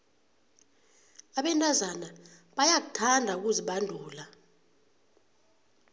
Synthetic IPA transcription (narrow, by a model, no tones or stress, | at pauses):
aɓɛntʼazanaɓajak̬u̥tʰandʱauk̬uziɓandʱuːla